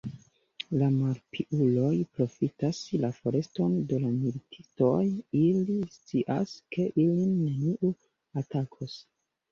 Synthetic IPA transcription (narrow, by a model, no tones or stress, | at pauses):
lamaɾpʰiʔulo̞jpɾo̞fitaslafo̞ɾe̞sto̞nde̞lamilitʰi̥to̞jilist͡siʔaskʰe̞ʔilinːe̞niʔu | atakʰos